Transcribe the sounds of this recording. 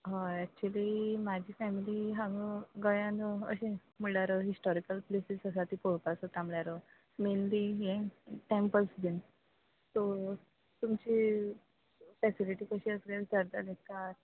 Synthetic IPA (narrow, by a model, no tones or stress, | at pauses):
ɦãɛk̚t͡ɕuəlimad͡ʑʱiːfɛmiliɦãŋɡəɡəjãnd̪əə̰ɕẽ | miɭaɾəɦisʈɔɾikəlplesisəs̬at̪ipɔɭpasət̪amljaɾə | menlijẽʈempəlsd̪in | t̪ɔ | t̪umt͡ɕi | fɛsiliʈiːkəɕiəsɡad̪ʱəɾd̪alekaɾ